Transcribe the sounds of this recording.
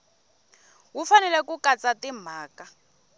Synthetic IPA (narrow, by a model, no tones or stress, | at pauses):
wufanɛlɛkukat͡satim̤aːka